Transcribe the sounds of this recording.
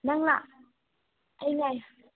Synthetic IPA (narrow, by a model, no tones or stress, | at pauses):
naŋlaʔ | ʔəjŋaj